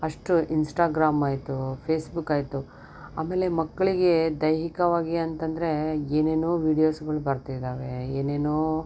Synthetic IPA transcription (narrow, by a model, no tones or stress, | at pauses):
ɐʂʈuʔinsʈaːɡɾaːmaːjit̪upʰeːsbukaːjt̪u | aːme̞ːle̞mɐkːɐɭiɡe̞d̪ɐjɦikɐʋaːɡiɐnt̪ɐnd̪ɐɾe̞eːneːnoːʋiːɽijoːsɡɐɭubɐɾt̪ajd̪aːʋe̞eːneːnoː